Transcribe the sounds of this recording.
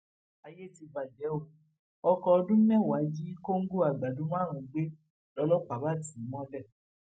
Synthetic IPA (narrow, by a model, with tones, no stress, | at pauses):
a˧je˦˨ti˧ba˨d͡ʒɛ˨˦o˧˨ | ɔ˧kɔ˧ɔ˧dũ˦mɛ̃˦˨wa˨˦d͡ʒi˦ko˦ŋ̩˦ɡo˦a˨ɡ͡ba˨dũ˨˦m˦ã˦˨ɾ̃ã˨ɡ͡be˦ | lɔ˨˧˦lɔ˦k͡pa˨˦ba˦ti˨˦˨mɔ̃˦lɛ˦˨